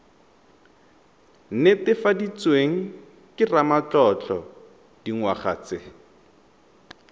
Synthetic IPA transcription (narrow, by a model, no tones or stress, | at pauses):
n̩netɪfadit͡sweŋ̩ | kɪramat͡ɬɔt͡ɬɔ | d̥iŋwaχa̰t͡sɪ